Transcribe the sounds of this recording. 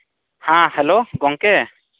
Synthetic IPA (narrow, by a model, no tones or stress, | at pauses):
hãhɛloɡɔŋkɛ